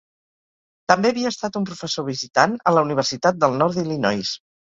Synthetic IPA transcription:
t̪əmbeːβiəːst̪at̪umpɾufəsoβ̞izit̪anələuniβ̞ərsit̪at̪̚d̪əlˠnɔɾd̪ilinɔjs

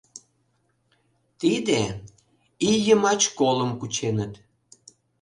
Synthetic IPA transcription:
t̪id̪e | ijəmɑt͡ɕkoləmkut͡ɕenət̪

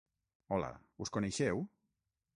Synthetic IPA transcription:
ɔla̰uskoneʃɛw

